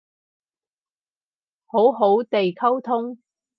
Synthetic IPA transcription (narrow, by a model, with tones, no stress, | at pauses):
ho˨˥wɦo˨˥wt̪e˨jkʰɐ˥wt̪ʰʊ˥ŋ